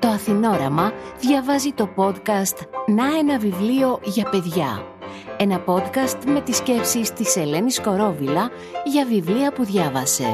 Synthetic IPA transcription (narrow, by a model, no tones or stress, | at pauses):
t̪o̞ɐθino̞ɾɐmɐðʝɐvɐzit̪o̞po̞d̪kɐst̪nɐe̞nɐvivlio̞ʝɐpe̞ðʝɐ̰ | e̞nɐpo̞d̪kɐst̪me̞t̪isce̞psist̪ise̞le̞nisko̞ɾo̞vilɐ | ʝɐvivliɐpuðʝɐvɐse̞̰